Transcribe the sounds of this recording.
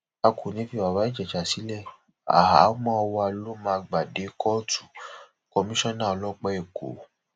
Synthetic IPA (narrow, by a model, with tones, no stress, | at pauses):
a˧kʰo˨nĩ˨˦fi˦˧˨wa˨wa˨˦i˦˨d͡ʒɛ˨t͡ʃa˨si˨˦lɛ˦˨ | a̰˨ɦa̰˨˦mɔ̃˦ɔ˧wa˧lo˦mãː˧ɡ͡ba˨de˨˦kʰɔ˦tʰu̥˦˨ | kɔ˧mĩ˦ʃɔ̃˦nã˦˨ɔ˧lɔ˦k͡pɛ˦e˨ko̰˨